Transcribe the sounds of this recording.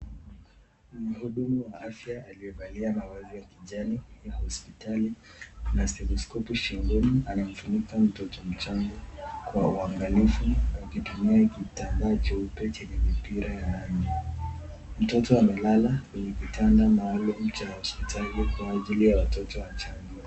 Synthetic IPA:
m̩huɗumuwaafjaːliɛɓaliamawaziiɾjakiʄanijahɔspitalinasɛlɔskɔpuʃiŋɡunianam̩fuɲikam̩tɔtɔm̩t͡ʃaŋɡɔkwauaŋɡalifuakitumiakitandat͡ʃɛupɛt͡ʃɛɲɛmipiɾajanani | m̩tɔtɔamɛlalakwɛɲɛkitʰandamaɔlɔm̩tajahɔspitʰalikwaːʄilijawatɔtɔwat͡ʃaŋɡia

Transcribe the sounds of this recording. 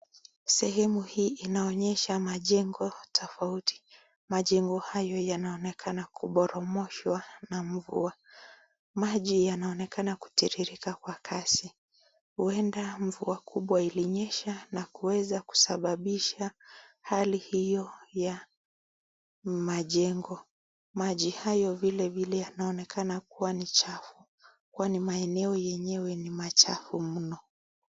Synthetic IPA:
sɛhɛmuhiːʔinaɔɲɛʃamaʄɛŋɡɔtʰɔfauti̥ | maʄɛŋɡɔhajɔjanaɔnɛkʰanakʰuɓɔɾɔmɔʃwanaɱ̩vṵa | maʄijanaɔnɛkanaku̥tiɾiɾikakwakʰasi | huɛndaɱvuakʰuɓwailiɲɛʃanakuwɛzaku̥saɓaɓiʃahalihijɔja | maʄɛŋɡɔ | maʄihajɔvilɛvilɛjanaɔnɛkʰanakuwanit͡ʃafu | kuanimaɛnɛɔjɛɲɛwɛnimat͡ʃafum̩nɔ

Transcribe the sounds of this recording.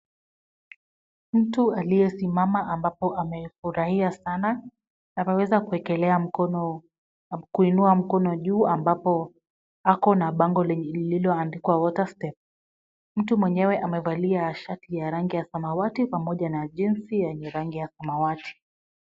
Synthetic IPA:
m̩tualijɛsimamaʔambapɔʔamɛfuɾahiasana | napawɛzakuɛkɛlɛam̩kɔ | kuinuam̩kɔnɔʄuːambapɔ | akɔnaɓaŋɡɔlɛililɔandikwawɔtastɛp̚ | m̩tumwɛɲɛwɛʔamɛvaliaʃatijaɾaŋɡijasamawatipamɔʄanaʄinsijɛɲɛɾaŋɡijasamawati̥

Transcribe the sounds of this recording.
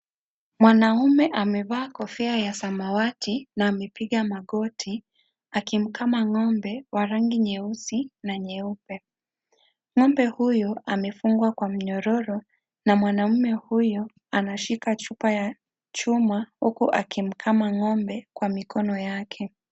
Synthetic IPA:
mwanaumɛʔamɛɓaːkɔfɛajasamawatʰinaːmɛpiɠamaɠɔtʰi | akim̩kʰamaŋɔmbɛwaɾaŋɡiɲɛusinaɲɛupɛ | ŋɔmbɛhujɔamɛfuŋɡwakwam̩ɲɔɾɔɾɔ | namwanam̩mɛhujɔ | anaʃikat͡ʃupaja | t͡ʃumahukuʔakʰim̩kʰamaŋɔmbɛkwamikɔnɔjakʰɛ

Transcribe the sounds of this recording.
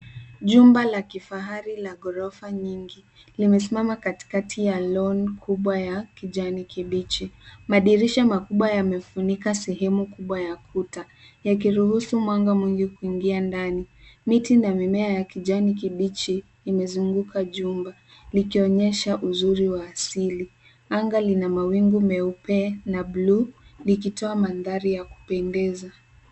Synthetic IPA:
ʄumbalakifaɦaɾilaɠɔɾɔfaɲiŋɡi | limɛs̬imamakati̥katʰijalɔnkʰuɓwajakiʄanikiɓit͡ʃimaɗiɾiʃamakuɓwajamɛfunikasɛɦɛmukuɓwajakʰuta | jak̬iɾuhusumwaŋɡamwiŋɡikuiŋɡiandanimitinamimɛajakiʄanik̬iɓit͡ʃiː | mɛzuŋɡukʰaʄumba | likiɔɲɛʃaʔuzuɾiwaːsili | aŋɡalinamawiŋɡumɛupɛnablulikitɔamanðaɾijaku̥pɛndɛza

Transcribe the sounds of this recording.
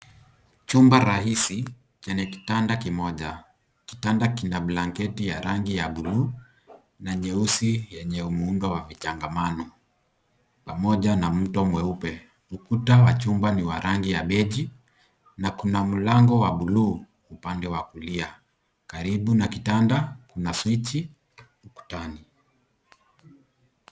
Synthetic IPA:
t͡ʃumbaɾahisi | t͡ʃaɲɛki̥tandakimɔʄa | ki̥tandakinaɓlaŋkɛtijaɾaŋɡijaɓuluː | naɲɛusijɛɲɛumuundɔwavit͡ʃaŋɡamanɔ | pamɔʄanam̩tɔmwɛupɛ | ukutawat͡ʃumbaniwa̰ɾaŋɡijaɓɛʄi | nakunam̩laŋɡɔwaɓulu | upandɛwakulia | kaɾiɓunakitandakunaswit͡ʃi | uku̥tani

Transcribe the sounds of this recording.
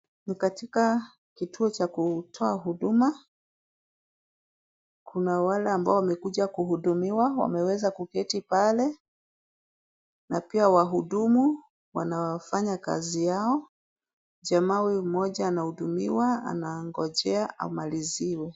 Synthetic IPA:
nikatika | kitʰuɔt͡ʃakutʰɔaɦuɗuma | kʰunawalɛambaɔwamɛkuʄakuɦuɗumiwawa̰mɛwɛzakukɛtipalɛ | napiawaɦuɗumu | wanawafaɲaka̰zijaɔ | ʄamawimɔʄaːnahuɗumḭwaa̰naŋɡɔʄɛaʔa̰umaliziwɛ

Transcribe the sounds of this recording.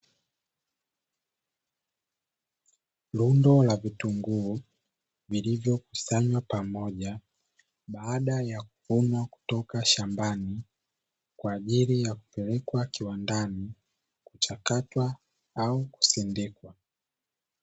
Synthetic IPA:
lundɔlavituŋɡu | vilivjɔku̥saɲwapamɔʄa | ɓaːɗajaku̥hunwaku̥tɔkaʃambani | kwaːʄilijaku̥pɛlɛkwakiwandani | kut͡ʃakatwa | auku̥sɛndɛkwa

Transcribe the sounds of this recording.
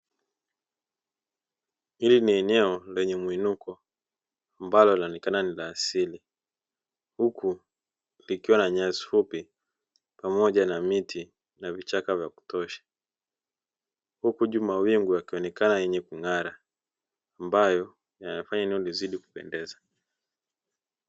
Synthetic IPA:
iliniɛnɛɔlɛɲɛmwinukɔ | ambalɔliɔnɛkananilaːsili | huku | likiwanaɲazi̥fupi | pamɔʄanamitʰi | navit͡ʃakavjaku̥tɔʃḁ | hukuʄumawiŋɡuakiɔnɛkanajɛɲɛkuŋaɾaː | mbajɔ | janafaɲaɛnɛɔliziɗiku̥pɛ̰ndɛza

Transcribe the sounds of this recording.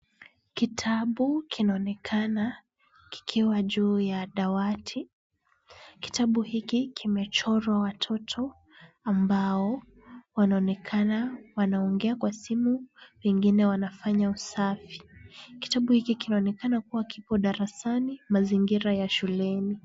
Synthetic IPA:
kitʰaɓukʰinaɔnɛkʰana | ki̥kʰiwaʄuːjaɗawatʰi | ki̥taɓuhikikʰimɛt͡ʃɔɾwawatʰɔtʰɔ | ambaɔ | wanaɔnɛkʰanawanaɔŋɡɛakwasimupɛŋɡinɛwanafaɲausafi̥ki̥taɓuhikikinaɔnɛkanakuwakipɔɗaɾasanimaziŋɡiɾajaʃulɛni

